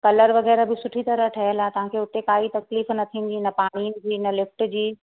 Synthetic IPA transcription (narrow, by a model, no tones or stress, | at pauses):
kɐləɾʋɐɣɛːɾabɪsʊʈʰit̪ɐɾəʈʰɐɦəlaet̪ɐʋ̤ãːkʰeʊt̪ekaːit̪ɐkliːfnɐt̪ʰĩːn̆d̪inɐpaːɽ̃iːnɪ̆d͡ʑiːnɐlɪfʈd͡ʑiː